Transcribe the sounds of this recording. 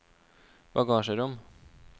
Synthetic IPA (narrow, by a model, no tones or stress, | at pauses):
b̥ɑɡɑːʃəɾʊm